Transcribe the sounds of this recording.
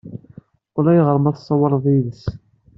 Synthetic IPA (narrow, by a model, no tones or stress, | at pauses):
ʊlæjʁəɾˤmɑðsˤːɑwɑɾˤðˤiðəs